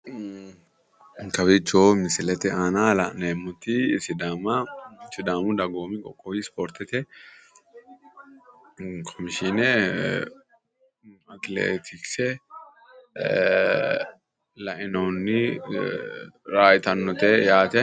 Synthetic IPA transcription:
kɐbɪt͡ʃːoːmɪsɪlɛt̪ɛaːnalɐneːmːʊt̪ːɪsɪd̪aːmɐsɪd̪aːmʊd̪ɐɡoːmɪkʼɔkʼːɔwispɔːɾt̪ɛt̪ɛ | kʰɔmɪʃɪnɛ | ɐt̪lḛːt̪ʰɪksɛ | lɐʔɪnoːnːɪ | ɾaːjt̪ɐnːɔt̪ɛjaːt̪ɛ

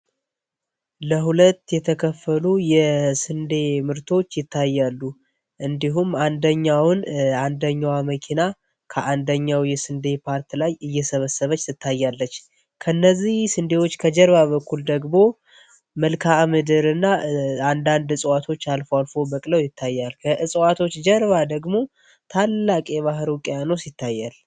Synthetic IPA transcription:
ləɦulət̪ːjɛt̪ʰəkʰəfːəlujɛsɨnd̪e̞mɨɾt̪ʰo̞t͡ʃːjɪt̪ʰːajːalːu | ʔɨnd̪iɦumːand̪əɲːawnand̪əɲːawaməkʰina | kʰəʔand̪əɲːawjɛsɨnd̪e̞pʰaɾt̪lajɨjːɛsəβəsəβət͡ʃːsɨt̪ʰːajːalːət͡ʃː | kʰənːəzːihsɨnd̪e̞wo̞t͡ʃːkʰəd͡ʒɛɾβaβəkːuld̪əɡmo̞ | məlkʰamɨd̪ɨɾɨnːaand̪and̪ɨsʼwat̪ʰo̞t͡ʃːalfoalfo̞bəkʼləwjɪt̪ʰːajːalkʰəʔɨsʼwat̪ʰo̞t͡ʃːd͡ʒɛɾβad̪əɡmo̞ | t̪ʰalːakʼjɛβaɦɾokʼjanəwsit̪ːajːal

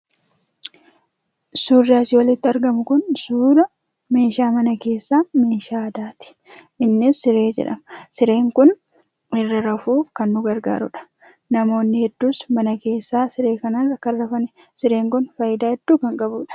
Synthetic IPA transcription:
suːrːɪaːsɪwɐlɪt̪ːɪɐɾɡɐmʊkʊnsuːɾɐ | me̞ːʃaːmɐnɐke̞ːsːaːmeːʃaːɐd̪aːt̪ɪ̥ | ʔɪnːɪsːɪɾe̞ːd͡ʒɛ̰ᶑɐ̰msɪɾe̞ːŋkʊn | ɪrːɐɾɐfuːfkɐnːʊɡɐɾɡa̰ːɾʊᶑɐ̥ | nɐmo̞ːnːɪhɛd̪ːuːsmɐnɐke̞ːsːaːsɪɾe̞ːkɐnanɐkːɐrɐfɐnɛ | sɪɾe̞ːŋkʊnfɐjɪd̪aːhɛd̪̥ːuːkɐŋkʼɐbuːᶑɐ̥

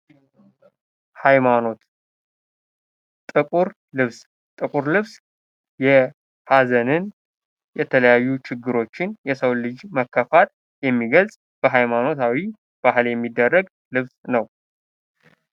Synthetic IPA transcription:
hajmano̞t̪ | t̪ʼɨkʼuɾ | lɨβs | t̪ʼɨkʼuɾlɨβs | jɛ | hazənɨn | jɛt̪ʰələjajːut͡ʃɪɡːɨɾo̞t͡ʃːɪnjɛsəwlɨd͡ʒməkʰːəfat̪̚ | jɛmːiɡəlsʼ | b̥əɦajmano̞t̪ʰawi | b̥aɦɨljɛmːid̪ːərːəɡ | lɨβsnəw

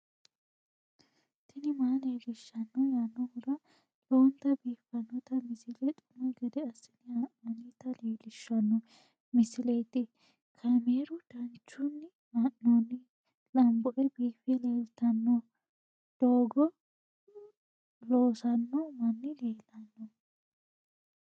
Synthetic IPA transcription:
t̪ʰɪnɪmaːleːɡɪʃːɐnːɔjanːɔhʊd̪ɐ | lɔnt̪ɐbiːfːɐnːɔt̪ɐmɪsɪlɛt̪ʼʊmɐɡɛd̪ɛɐsɪnɪɐʔɐnit̪ɐleːlɪʃːɐnːɔ | mɪsɪlet̪ːɪ | kʰɐmeːɾʊd̪̥ɐnt͡ʃːʊnːɪ | mɐʔːɔnːɪ | lɐmbɔʔɛbiːfɛle̞ːlt̪ɐnːɔ | d̪̥oːɡɔ | loːsɐnːɔmɐnːɪleːlɐnːɔ

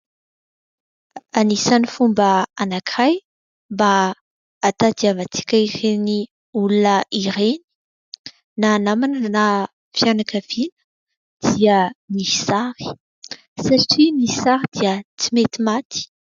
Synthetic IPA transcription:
anisanifumbəanakiaj | mbaː | t̪ad̪iavat͡si̥kʲəireni | ulunəʔiɾeni̥ | naːnamanəna | fjanakavinə̥ | d̪̥iəniisaɾi̥ | saʈ͡ʂiniisaɾid̪̥iət͡simet̪imat̪i̥

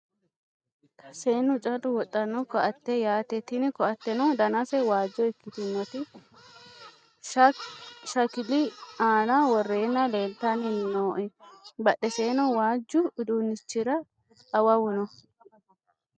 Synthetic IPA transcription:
kʰɐ̥seːnːʊt͡ʃʼɐd̪ʊwɔt̪ʼːɐnːɔkɔʔɐt̪ːɛjaːt̪ɛt̪ɪnɪkɔɐt̪ːɛnɔd̪ɐnɐsɛwaːd͡ʒːɔɛkːɪt̪ɪnːɔt̪ɪ | ʃɐkɪlɪaːnɐwɔrːeːnːɐleːlt̪ɐnɪhɪnoːʔɛbɐɗɛseːnɔwaːd͡ʒːʊɪd̪unːɪt͡ʃːɪɾɐː | wɐwʊnɔ

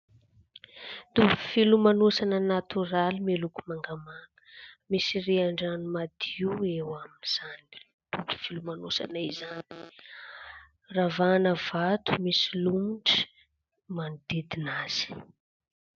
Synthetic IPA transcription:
d̪̥ufilumanosanənat̪uɾalimeluku̥maŋɡamakə̥misiriaɳɖ͡ʐanumad̪iuewaminiz̥ani̥ | d̪̥uki̥filumanosa̰naizani̥ | ravanəvat̪u̥misilumuɳʈ͡ʂə̥ | manid̪id̪inaz̥i̥

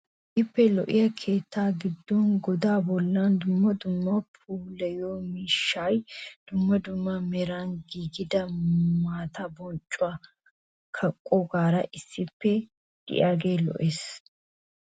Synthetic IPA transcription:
ʔɪpːɛlɔʔɪjɐkʰe̞ːt̪ːaːɡɪd̪ːɔnɡɔd̪aːbɔlːand̪ʊmːɐd̪ʊmːɐpʰuːlɐjoːmiʃːajd̪̥ʊmːɐd̪ʊmːɐmɛɾanɡiːɡɪd̪ɐmaːt̪abɔnt͡ʃʼːʊa | kʰɐkʼːɔɡaːɾɐʔɪsːɪpːɛ | d̪̥ɪ̰ʔaːɡe̞ːlɔ̰ʔeːs

